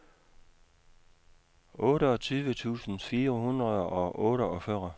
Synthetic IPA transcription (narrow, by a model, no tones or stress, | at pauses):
ɔ̽ːɾəɒ̽t͡sʰyːʋət͡sʰṵːsn̩fiːɐhunʁɐðˠɒ̽ʔɔ̽ːɾəɒ̽fɶɐ